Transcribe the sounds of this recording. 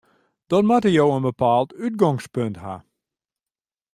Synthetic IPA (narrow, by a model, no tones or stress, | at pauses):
d̥ɔtmatəjowənbəpaːlˠtyt̚ɡɔŋspøntɦa̰